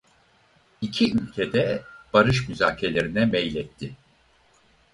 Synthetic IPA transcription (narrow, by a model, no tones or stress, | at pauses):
icʰiylʲcʰed̪ɛb̥aɾɯʃmyzaːcʰelʲe̞ɾinɛmɛjlʲɛt̪ʰːɪ